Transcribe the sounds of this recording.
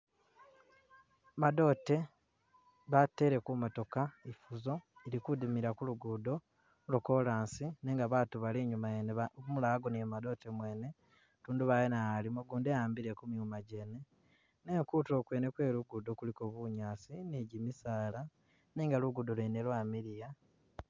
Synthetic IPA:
mado̞ːte̞ | βatːe̞ɾe̞kumoto̞kaifuzo̞iɾikudimiɾakuluɡudo̞ | loko̞laːnsineːŋɡaβaːtuβaleːɲumajenemulaɡonemado̞tʰemwe̞ːne̞ | tuːnduβajenaalimoɡuːndejaːmbiɾekumjumaɟe̞ne̞ | neːŋkuto̞ːkwene̞kwe̞ːluɡudokuliko̞βuɲaːsineɟimisaːla | neːŋɡaluɡudolwenelwaːmiɾija

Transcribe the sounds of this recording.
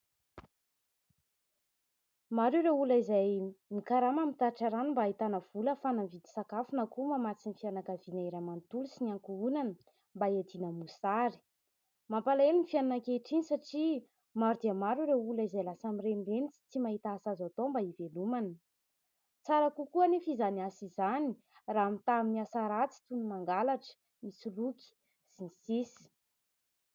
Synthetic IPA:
maɾuɾewulaizajmikaɾamamit̪aʈ͡ʂaɾanimbait̪anəv̥uləfanamvid̪i̥sakafunakumamat͡sinifianakavinaeɾamant̪ulusiniaŋkuunanə | mbaed̪inəmusaɾi̥ | mampalelinifiananakeʈ͡ʂinisaʈ͡ʂi | maɾud̪iamaɾuɾeulaizalasamirenirenit͡si̥t͡simaɦit̪aaːsazat̪ombaivelumanə | t͡saɾakukuanifizaniasizani | raːamit̪aminiasaɾat͡si̥t̪unumaŋɡalaʈ͡ʂə̥ | misuluki̥ | z̥inisisi̥

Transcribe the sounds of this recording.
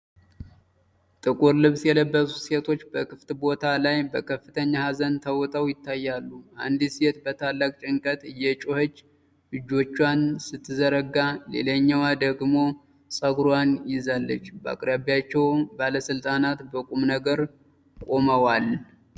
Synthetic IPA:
t̪ʼɨkʼuɾlɨβsjɛləbːəsuset̪ʰo̞t͡ʃːbəkʰɨft̪bo̞t̪ʰalajbəkʰəfːɨt̪ʰəɲːahazənt̪ʰəwt̪ʼəwjɪt̪ʰːajːalːua̰nd̪iset̪bət̪ʰalːakʼt͡ʃʼɪŋkʼət̪ʼjɛt͡ʃʼohət͡ʃː | lɨd͡ʒːo̞t͡ʃːwansɨt̪ʰːɨzəɾəɡːale̞̰ləɲːawad̪əɡmo̞ | sʼəɡɾoanjɪzalːət͡ʃːbəa̰kʼɾəβijat͡ʃːɛwbaləsɨlt̪ʼanat̪bəkʼumnəɡəɾ | kʼoməwal

